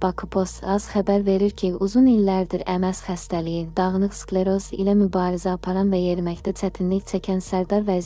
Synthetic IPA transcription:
b̥ɑkʰɯpʰost̪ɑz̥χæbæɾve̞ɾiɾkʲʰiuzunilːæɾd̪iɾæmæsχæst̪ælijid̪ɑʁnˠɯχsklˠeɾosḭlɛmybɑːɾizɛɑpʰɑɾɑnvɛjeɾmɛçt̪ɛt͡ʃʰɛt̪ʰinlicʲt͡ʃʰɛkʲʰɛnsæɾd̪ɑɾvɛz

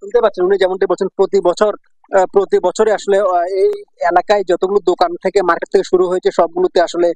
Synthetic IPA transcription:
ʃont̪epat̪ːɕʰenunid͡ʑɛmonɳʈajbolt͡ɕʰenpɾot̪ibɔt͡ɕʰoɾ | pɾot̪ibɔt͡ɕʰoɾeaʃoleejelakaed͡ʑɔt̪oɡulod̪okant̪ʰekemaɾket̪ʰːekeʃuɾuɦojet͡ɕʰeʃɔb̚ɡulot̪eaʃole

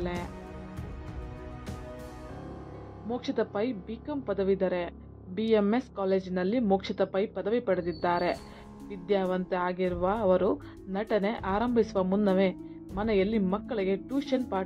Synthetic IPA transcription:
le | moːkʂit̪ɐpɐjbikɐmpɐd̪ɐʋid̪ɐɾe | biemeskaːleːd͡ʒinɐlːimoːkʂit̪ɐpɐjpɐd̪ɐʋipɐɽed̪id̪ːaːɾe̞ | ʋid̪jaːʋɐnt̪eaːɡiɾuʋɐːʋɐɾu | nɐʈɐne̞ʔaːɾɐmbʱisuʋɐmunːɐʋeː | mɐnɛjɐlːimɐkːɐɭiɡe̞ʈuːʃɐnpaː

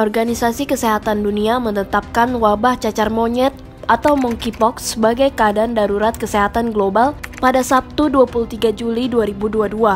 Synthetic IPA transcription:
ʔɔrɡanisasikəseɦat̪anduniamənət̪ap̚kanwabaht͡ʃat͡ʃarmoɲɛt̪̚ | ʔat̪awmɔŋkipɔksəbaɡajkəadaːndaɾuɾat̪̚kəseɦat̪anɡlobalpadasap̚t̪uduapulut̪iɡad͡ʒuliduaɾibuduadua

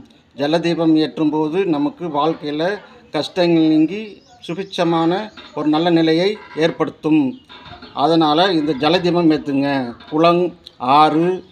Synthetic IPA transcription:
d͡ʒɛlɐd̪iːʋɐmeːʈrɯmpoːðɯnɐmɐkːɯʋaːɻkɐjɪlɐkɐʂʈɐŋɡɐɭniːŋɡi | sʊfɪt͡ʃːɐmaːnɐɔɾɯnɐlːɐnɪlɐjɐɪeːrpɐɽɯt̪ːɯm | ʔɐðɐnaːlɐɪnd̪ɐd͡ʒɛlɐd̪iːʋɐmeːt̪ːɯŋɡɐkʊɭɐŋaːrɯ

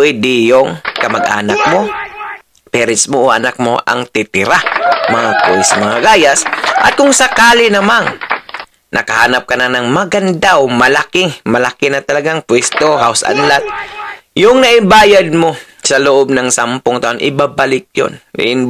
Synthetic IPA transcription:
ʔid̪ɪjoŋkɐmɐɡʔa̰ːnɐk̚mo̞ | pɛɾɪsmoʔoʔɐnak̚mo̰ʔɐ̰ŋt̪ɪt̪ɪɾamɐŋakojsmɐŋaɡaːjasʔɐ̰t̪̚kʊŋsɐkaːlɪnɐman | nʔɐ̰kɐhaːnɐp̚kɐnanɐŋmɐɡɐnd̪awmɐlakɪmɐlakɪnɐt̪ɐlɐɡaŋpwɛst̪oɦawsʔa̰nlat̪̚jʊŋnɐʔɪbaːjad̪̚mo̞ | sɐloʔob̚nɐŋsampoŋt̪ɐʔonʔɪbabalɪk̚jo̰n̰ɪn

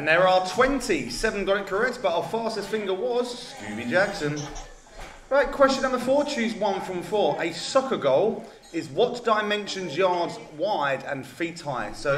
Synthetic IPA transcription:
ə̃nðəɹətʰw̥ɛ̃ntʰisɛvə̃nɡɔnɪkʰəɹɛsb̥ʌtəfɑˑstɪz̥fɪ̃ŋɡəwɒz̥skjʉ̰ːbid͡ʒaksə̃n | ɹaɪt̚kʰw̥ɛst͡ʃə̃nʌ̃nðəfɔːt͡ʃʰʉːzwʌ̃nfɹə̃ɱfɔːɹʔəsʌkəɡəʊlˠ | ɪzwɒt͡ʃd̥aɪmɛ̃nʃə̃nzjɑːdz | waɪdə̰̃nfiˑthaɪd̥soʊ

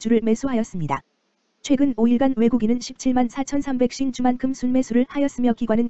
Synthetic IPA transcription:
t͡ɕuɾɯɭme̞s͈uɦajʌs͈ɯmɲida̰ | t͡ɕʰwe̞ɡɯnoiɭɡanwe̞ɡuɡinɯnɕʰip̚t͡ɕʰiɭmansʰat͡ɕʰʌnsʰambe̞k̚ɕ͈ind͡ʑumankʰɯmsʰunme̞s͈ʰuɾɯɭhajʌs͈ɯmjʌk͈iɡwanɯn

